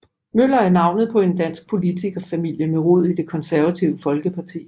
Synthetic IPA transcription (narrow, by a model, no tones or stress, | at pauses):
møl̰ɐæɐnɑ̈ʊnəð̞̩ˠpʰɒ̽e̝nd̥æn̰sɡ̥̚pʰo̝lit͡sʰiɡ̥ɒ̽fæmil̰jəmeʁo̝ð̞̰ˠid̥e̝kʰɒ̽nsæɐʋæt͡sʰiʊəfɒ̽lɡ̥əpʰɑ̈t͡sʰḭː